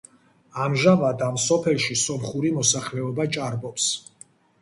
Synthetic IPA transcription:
amʒavad̪amsɔpʰɛlˠʃisɔmχuɾimɔsaχlɛɔbat͡ʃʼaɾbɔps

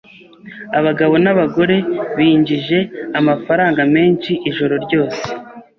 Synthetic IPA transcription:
aβaɡaβo̞naβaɡo̞ɾe̞βiɲɟiʒe̞amafaɾaːŋɡame̞ːnʃiʔiʒo̞ɾo̞ɾɟo̞ːse̞̥

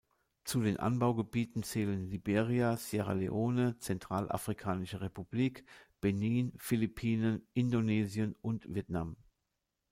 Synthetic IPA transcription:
t͡sudeːnʔa̰nbaʊɡəbiːtn̩t͡sɛːlənlibeːʁiaseʁa̰lḛʔoːnət͡sɛntʁ̥aːlʔa̰fʁ̥ikʰaːnɪʃəʁepubliːkb̥ɛniːnfilipʰiːnənʔɪndoneːzijənʔʊntv̥iɛtnam

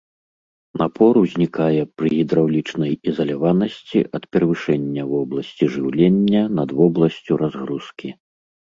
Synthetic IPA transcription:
napʰɔɾuzʲnʲikajɛpɾɨɣʲid̪ɾawlʲit͡ʂnɐjizɐlʲavanɐsʲt͡sʲḭʔɐt̪pʲɛɾɐvɨʂɛnʲːɐvɔblˠɐsʲt͡sʲiʐɨwlʲenʲːɐnɐd̪vɔblˠɐsʲt͡sʲuɾʔazɣɾuskʲʰi

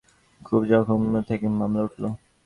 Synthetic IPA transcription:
kʰubd͡ʑɔkʰont̪ʰekemamlauʈʰlo

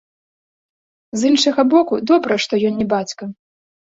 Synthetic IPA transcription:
zinʂɐɣɐbɔkud̪ɔbɾɐʂt̪ɔjɔnnʲɛbat͡sʲkɐ

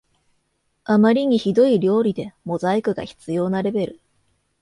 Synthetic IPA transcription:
amaɾʲiɲ̟içid̪o̞iɾʲo̞ːɾʲid̪e̞mo̞zaikɯ̟ɡa̰çi̥t͡sɨjo̞ːnaɾe̞be̞ɾɯ̟

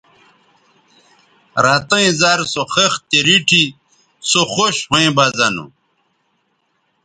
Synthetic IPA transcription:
ɾat̪ɐĩzaɾsoxext̪eɾiʈʰi | soxoɕhoẽbazɐnṵ

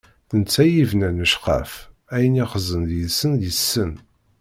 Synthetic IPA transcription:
θənt͡sːæjivnænəʃqə̰f | æjəniχəzənðjəsːənjəsːən

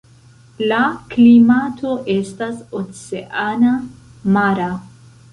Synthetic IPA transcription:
laklimatʰo̞ʔe̞stasot͡seʔana | maɾa

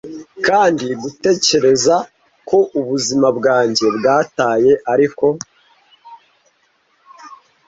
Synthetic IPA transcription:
kaːndiɡute̞ːce̞ɾe̞za | ko̞ʔuβuzimabɡaːɲɟe̞bɡaːtaːje̞ʔaɾiko̞

